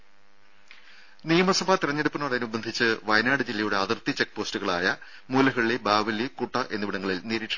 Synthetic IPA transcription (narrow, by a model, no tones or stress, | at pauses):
nijɐmɐsɐbʱaːt̪iɾɐɲːɐɽupːɨnɐɽɐːnubɐnd̪ʱit͡ɕːɨʋɐjnaːɽɨd͡ʑilːɐjuɽe̞ɐðirt̪it͡ɕːe̞k̚ːpoːstuɣɐɭaːjɐ | muːlɐɦɐɭːibaːʋɐlːikuʈːɐʔe̞nːuʋiɽɐŋːɐɭilniːɾiːʈʂɐ